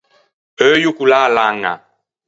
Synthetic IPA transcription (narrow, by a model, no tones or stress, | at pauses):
əjukulalaŋa̰